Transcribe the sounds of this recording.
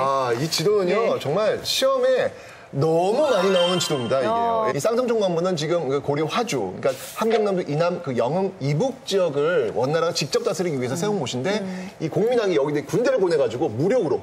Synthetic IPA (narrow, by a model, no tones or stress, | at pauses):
ait͡ɕidonɯɲʌt͡ɕʌŋmaɭɕʰiʌme̞ | nʌmumaɲinaonɯnt͡ɕidomɲidaieis͈ʰaŋsʰʌŋt͡ɕʰoŋnambunɯnt͡ɕiɡɯmkɯkoɾjiɸwad͡ʑṵɲik͈a | hanɡjʌŋnamdoʔinamkɯjʌŋɯmibuk̚t͡ɕ͈iʌɡɯɭwʌnːaɾat͡ɕik̚t͡ɕ͈ʌp̚t͈asʰɯɾiɡiɥiɦe̞sʰʌsʰe̞umoɕʰinde̞ikoŋminaŋijʌɡidekundeɾɯɭbone̞ɡad͡ʑuɡomuɾjʌɡɯɾo